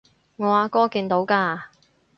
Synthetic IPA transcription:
ŋɔː˨˧aː˨˧kɔː˥kiː˧nt̪o˨˧˥wkaː˧

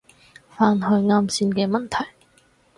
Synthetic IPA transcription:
faː˧nhɵ˧ɥŋaː˧msiː˧nkɛː˧mɐ˨nt̪ʰɐ˨˩j

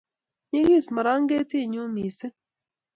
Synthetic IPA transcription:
ɲi˦ɣi˦˨sma˨ɾa˦ŋ˦ɡe˦ti˦˨ɲu˦miː˨se˦

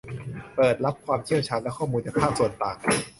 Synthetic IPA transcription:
pɤː˨˩t̪̚ɾa˦˥p̚kʰwaː˧mt͡ɕʰi˥˩əwt͡ɕʰaː˧˩nlɛ˦˥kʰɔː˥˩muː˧nt͡ɕaː˨˩k̚pʰaː˥˩k̚su˨˩ənp̪aː˨˩ŋ̚

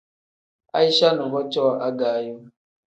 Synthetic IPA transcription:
a̰˦i˦ʃa˦nə˨va˦t͡ʃo˦wʔa˦ɡa˨˦˨ju˦

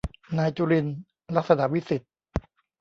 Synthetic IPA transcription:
naː˧jt͡ɕuː˧ɾi˧n | la˦˥k̚sa˧na˨˩ʔwi˦˥si˨˩t̪̚

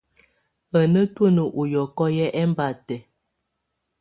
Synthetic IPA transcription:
ə˨nə˦twə˦nə˨ʔu˨jɔ˨kɔ˦jɛ˦ʔɛ˦m˦ba˨tɛ˨

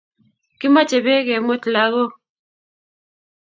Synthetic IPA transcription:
ki˦ma˦t͡ʃe˨be˦ɣɛ˨mo˦tla˦ɣo˦

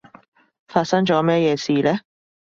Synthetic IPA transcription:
faː˧t̚sɐ˥ŋt͡ʃɔː˨˥mɛː˥jɛː˨˧siː˨˩lɛ˦˥

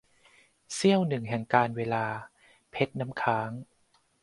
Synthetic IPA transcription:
si˥˩əwnɯ˨˩ŋɦɛ˨˩ŋkaː˧nweː˧laː˧ | pʰe˦˥t̪̚na˦˥mkʰaː˦˥ŋ

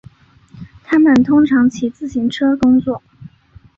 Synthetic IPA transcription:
t̪ʰa˥mə˨nt̪ʰʊ˥ŋʈ͡ʂʰɑ˧˥ŋt͡ɕʰi˨˩t͡sɹ̩˥˩ɕi˧˥ŋʈ͡ʂʰɤ˥kʊ˥ŋt͡swɔ˥˩

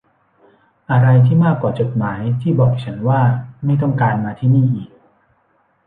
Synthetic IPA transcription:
ʔa˧ɾa˧jt̪ʰiː˥˩maː˥˩kːwaː˨˩t͡ɕo˨˩t̪̚maː˩˦jt̪ʰiː˥˩bɔː˨˩k̚t͡ɕʰa˦˥nwaː˥˩ma˥˩jt̪ɔ˥˩ŋkaː˧nmaː˧t̪ʰiː˥˩niː˥˩ʔiː˨˩k̚

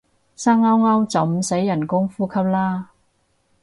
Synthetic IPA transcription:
saː˥ŋɐ˥wŋɐ˥wt͡sɐ˨wm̩˨˩se˨˥jːɐ˨˩nkʊ˥ŋfuː˥kʰɐ˥p̚laː˥

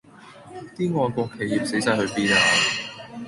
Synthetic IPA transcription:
t̪iː˥ŋɔː˧nkʊ˧kʰːe˨jiː˨p̚se˨˥jsaː˧jhɵ˧ɥpiː˥naː˧

